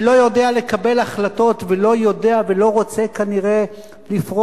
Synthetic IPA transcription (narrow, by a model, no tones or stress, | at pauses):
lo̞jo̞de̞ale̞kabe̞laχlato̞tvelo̞jo̞de̞avelo̞ʁo̞t͡sekaniʁe̞ | lifʁo